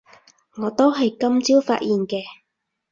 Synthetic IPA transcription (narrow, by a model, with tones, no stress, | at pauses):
ŋɔː˨˧t̪o˥wɦɐ˨jkɐ˥mt͡siː˥wfa̰ː˧t̚jʔiː˨nkɛː˧